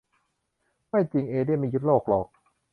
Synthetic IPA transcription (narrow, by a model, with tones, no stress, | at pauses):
ma˥˩jt͡ɕi˧˩ŋʔeː˧di˥˩˨ma˥˩ju˦˥t̪̚loː˥˩k̚lɔː˨˩k̚